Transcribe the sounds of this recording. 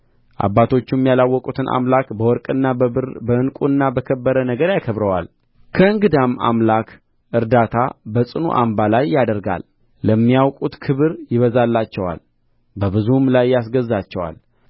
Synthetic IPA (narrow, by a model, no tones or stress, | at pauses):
ʔa̰bːat̪ʰo̞t͡ʃːumːijalawːɔkʼut̪ʰɨnʔa̰mlakbəwɔɾkʼɨnːabəɨnkʼunːabəkʰəbːəɾənəɡəɾjakʰəβɾəwa̰l | kʰəɨŋɡɨd̪amːa̰mlak | ʔɨɾd̪at̪ʰabəsʼɨnṵʔa̰mbalajːad̪əɾɡa̰lː | əmːijawkʼut̪kʰɨβɨɾjɪβəzalːat͡ʃːɛwa̰l | bəβɨzumlajːasɡəzːat͡ʃːɛwa̰l